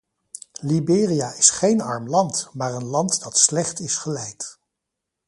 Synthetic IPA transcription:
libɪːrijaɪsχejnɑ̰ɹmlɑntmaːɹənlɑntdɑtslɛχtɪsχəlɛjt

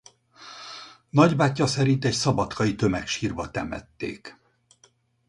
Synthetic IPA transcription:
nɒɟbaːcːɒsɛɾint̪ɛcsɒbɒt̪kʰɒit̪ø̞mɛkʃiːrbɒt̪ɛmɛ̰t̪ːḛːk

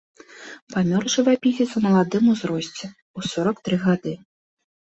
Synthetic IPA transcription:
pamʲɔrʐɨvapʲizʲɪt̪sɐmɐlˠad̪ɨmuzɾɔsʲt͡sʲɛ | usɔɾɐkt̪ɾɨɣad̪ɨ

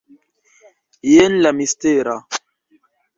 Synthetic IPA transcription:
jenlamist̪eɾa

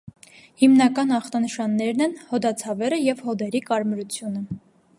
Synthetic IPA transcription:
himnɑkɑnɑχt̪ɑnəʃɑnːɛɾnɛnhɔd̪ɑt͡sʰɑvɛɾəjɛvhɔd̪ɛɾikɑɾmɾut͡sʰjunə

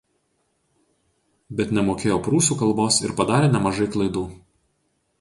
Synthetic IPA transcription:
bʲɛt̪nʲɛmoːkʲeːjoːpɾuːsuːkɐlˠboːsɪ̰ɾpɐd̪ɑːɾʲeːnʲɛmɐʒɐɪklˠɐd̪uː

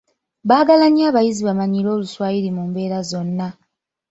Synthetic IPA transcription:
βaːɡalaɲiaːβajiziβamaɲilo̞ːluswaːjiɾimuːmbe̞ːɾazo̞nːa

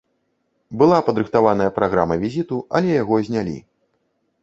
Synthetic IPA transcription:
bɨlˠapɐd̪ɾɨxt̪avan̪ɐjɐpɾaɣɾamɐvʲizʲit̪uɐ̰lʲɛjaɣɔzʲnʲalʲḭ

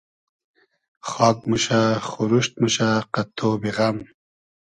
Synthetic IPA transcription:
χɑːk̚muɕaχuɾuɕt̪̚muɕaqat̪ʰobiʁam

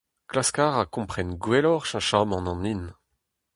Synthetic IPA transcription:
klaskaʁakɔ̃pχɛnɡwɛlɔʁʃãʃamɑ̃nɑ̃nin

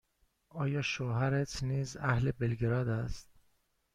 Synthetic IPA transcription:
ɒːjɒːʃohæɾet̪ʰniːzæhle̞belɡeɾɒːd̪æst̪̚

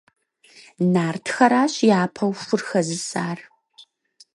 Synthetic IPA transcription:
naːrtʰxɐɾaːɕjaːpʰɐwfʊrxɐzɨsaːr

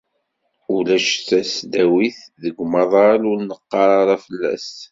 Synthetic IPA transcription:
ulæʃθæsd̪æwiθðəɡʷmɑðˤɑlʊɾnəqːɑɾˤɑɾˤɑfəlːæ̰s

